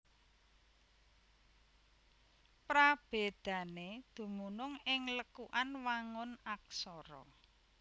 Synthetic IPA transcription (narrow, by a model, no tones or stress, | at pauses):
pɾab̥ed̪̥ä̤ned̪̥ṳmunʊŋɪŋləkuʔanwaŋʊnak̚sɔɾɔ̰